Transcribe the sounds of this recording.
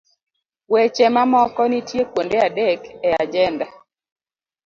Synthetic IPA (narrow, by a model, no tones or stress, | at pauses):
wet͡ʃɛmamɔkɔnitjekwondeadɛkɛad͡ʒɛnda